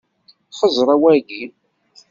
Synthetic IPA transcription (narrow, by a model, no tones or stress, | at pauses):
χəzˤɾˤɑwæɡi